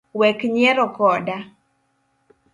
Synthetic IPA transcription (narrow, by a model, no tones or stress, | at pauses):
wɛkɲɛɾɔkɔda